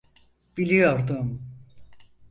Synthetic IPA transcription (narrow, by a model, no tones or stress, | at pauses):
b̥ilʲijoɾd̪ʊm